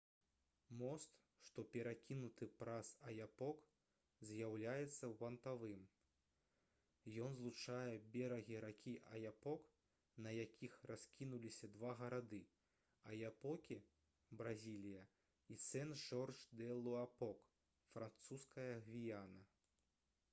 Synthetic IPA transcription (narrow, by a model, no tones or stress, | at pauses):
mɔst̪ | ʂt̪ɔpʲɛɾakʲinut̪ɨpɾasɐjapɔk | zʲjawlʲajɛt̪sːɐwːɐnt̪avɨm | jɔnzlˠut͡ʂajɛbʲɛɾɐɣʲiɾakʲʰiʔɐjapɔk | nɐjakʲixraskʲinulʲisʲɐd̪vaɣɐɾad̪ɨ | ɐjapɔkʲi | bɾazʲilʲijɐ | it̪sɛnʐɔrʂd̪ɛlˠuapɔk | fɾant̪suskɐjɐɣvʲijanɐ